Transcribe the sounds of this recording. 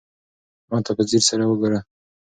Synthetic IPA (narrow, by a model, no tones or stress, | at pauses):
mɑt̪ʰapəziɾsaɾawəɡoɾa